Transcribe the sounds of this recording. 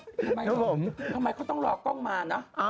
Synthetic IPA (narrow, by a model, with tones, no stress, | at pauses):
m˧kʰa˦˥pʰo˩˦mʰa˧mːa˧jkʰt̪ɔ˥˩ɾɔː˧kɔ˥˩ŋmaː˧nɔ˦˥ʔa˧